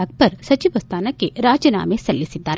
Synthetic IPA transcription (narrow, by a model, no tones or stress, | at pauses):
ɡ̚pɐɾsɐt͡ʃiʋɐst̪aːnakeɾaːd͡ʒjəna̰ːmẽsɐlːisɪd̪aːɾ